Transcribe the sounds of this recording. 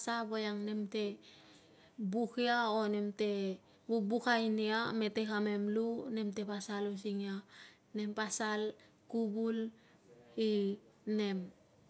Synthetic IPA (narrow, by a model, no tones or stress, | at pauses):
sabojaŋne̞mte̞ | bukiaonemte̞ | bubukajniame̞tekamemlune̞mte̞pasalosiŋia | ne̞mpasal | kubul | ine̞m